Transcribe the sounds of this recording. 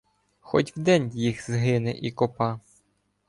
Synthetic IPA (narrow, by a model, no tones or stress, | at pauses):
xɔ̰tʲwd̪ɛnʲjixzɦɪnɛ̰ʔikɔpɑ